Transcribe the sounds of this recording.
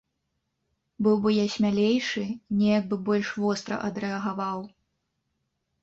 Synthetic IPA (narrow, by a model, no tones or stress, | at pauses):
bɨwbɨjasʲmʲalʲejʂɨnʲɛjaɡ̚bɨbɔlʲʂvɔst̪ɾɐ̰ʔɐd̪ɾɛɐɣavaw